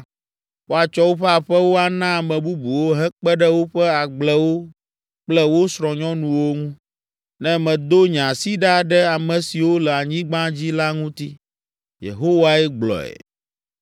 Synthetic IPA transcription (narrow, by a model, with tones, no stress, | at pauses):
wo˦a˨t͡ʃɔ˦wo˦ɸɛ˦a˨ɸɛ˦wo˦a˨nã˦˨mɛ̃˨bu˦bu˨wo˦ɦɛ˦k͡pɛ˦ɖɛ˦wo˦ɸɛ˦a˨ɡ͡blɛ˦wo˦ | k͡plɛ˦wo˦sɾɔ̃˨ɲɔ̃˦nũ˨wo˦ŋũ˦ | nɛ̃˦mɛ̃˨d̪o˦ɲã˨si˦ɖa˦˨ɖɛ˦a˨mɛ̃˨si˨wo˦lɛ˨a˨ɲĩ˦ɡ͡bã˦d͡ʑi˦la˦ŋũ˦t̪i˦ | jḛ˨ɦo˦wa˦ɛ˦ɡ͡blɔ̰˨ɛ̰˨